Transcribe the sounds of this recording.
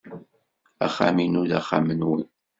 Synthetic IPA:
æ̰χa̰minuðæχamənwi

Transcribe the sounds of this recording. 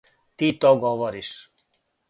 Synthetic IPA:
t̪it̪oɡoʋoɾiʃ

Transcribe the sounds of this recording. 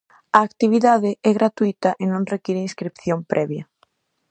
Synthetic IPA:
ɐːkt̪iβ̞iðaðɪɛɣɾat̪uit̪ɐʔɪnõŋrekiɾɪĩnskɾipθjompɾʔɛβjɐ

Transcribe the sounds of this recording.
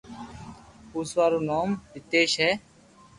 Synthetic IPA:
uːsʋaːɾuːnaːmʋɪt̪eːʃɦɛː

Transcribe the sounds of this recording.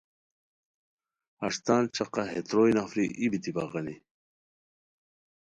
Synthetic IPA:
ɐʂt̪aːnt͡ɕɐqɑɦet̪ɾoːjnafɾiʔibit̪ibɑ̰ʁɑni

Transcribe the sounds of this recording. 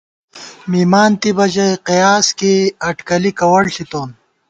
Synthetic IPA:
miːmaːnt̪ibɐd͡ʑɐjqijaːskeɐʈkɐlikɐwɐɽɬit̪oːn

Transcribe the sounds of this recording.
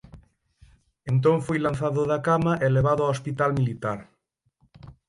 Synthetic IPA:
ent̪̬õɱfojlanθaðoðakamaʔeleβ̞aðoaospit̪almilit̪aɾ

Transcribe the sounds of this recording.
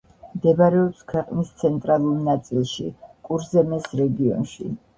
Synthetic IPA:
md̪ɛbaɾɛɔpskʰwɛqʼnist̪sʰɛnt̪ʼɾalˠulnat̪sʼilˠʃḭkʼuɾzɛmɛsɾɛɡiɔ̰nʃḭ

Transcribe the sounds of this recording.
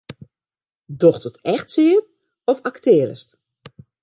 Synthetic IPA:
dɔxtətɛxtsɪːən | ɔfaktɪːɾə̰st

